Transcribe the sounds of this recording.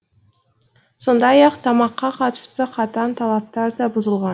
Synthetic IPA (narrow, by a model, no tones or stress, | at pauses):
so̞nd̪ɑjɑqt̪ʰɑmɑqːɑqʰɑt̪ə̥st̪əqʰɑt̪ɑnt̪ʰɑlˠɑp̚t̪ɑɾd̪ɑbʊzəlˠʁɑn